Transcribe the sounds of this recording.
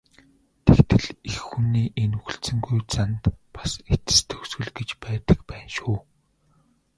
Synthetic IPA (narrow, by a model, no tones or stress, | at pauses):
t̪ʰekt̪ɘ̆ɮexːuniːʔenuxɘ̆ɬsɘ̆ŋɡujt͡sant̪pḁset͡sɘ̥̆st̪ʰɵ̥ksɡɵ̆ɮɡet͡ɕpæːt̪ə̆kpæːnʃuː